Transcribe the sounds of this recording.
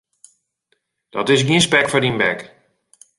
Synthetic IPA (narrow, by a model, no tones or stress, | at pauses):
d̥ɔtɪs̬ɡiə̃nspɛkfɔdinbɛk